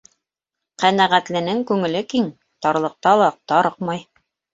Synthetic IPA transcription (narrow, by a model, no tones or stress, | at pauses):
qænæʁæt̪lɘ̆nɘŋkʉŋɘ̆lɘkiŋ | t̪ɑɾlˠɤ̆q̚t̪ɑlˠɑq̚t̪ɑɾɤqmɑj